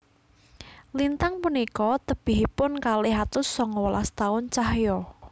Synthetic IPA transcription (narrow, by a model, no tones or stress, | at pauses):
lint̪aŋpunikɔt̪əb̥ɪ̤ɦipʊnkaleɦat̪ʊsːɔŋɔwla̰st̪aʊnt͡ʃaɦjɔ